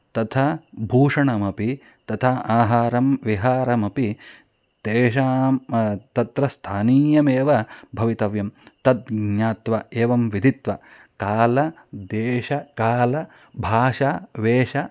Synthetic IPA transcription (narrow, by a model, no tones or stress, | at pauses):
t̪ɐt̪ʰɐbʱuːʂɐɳɐmɐpi | t̪ɐt̪ʰɐaːɦaːɾɐmʋiɦaːɾɐmɐpi | t̪eːʃaːmt̪ɐt̪ɾɐst̪ʰaːniːjɐmeːʋɐbʱɐʋit̪ɐʋjɐmt̪ɐd̪̚ɡɲaːt̪ʋɐeːʋɐmʋid̪ʱit̪ʋɐ̰ | kaːlɐ | d̪eːʃɐkaːlɐ | bʱaːʃaʋeːʃɐ